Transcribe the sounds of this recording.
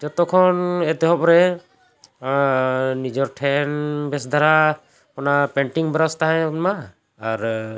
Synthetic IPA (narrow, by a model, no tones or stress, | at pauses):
d͡ʒɔt̪ɔkʰɔnɛt̪ɛɦɔ̃pɾɛ | nid͡ʒɔɾʈʰɛnbɛsd̪ʱaɾa | kɔnapɛɳʈiŋbɾast̪aɦãma | aɾ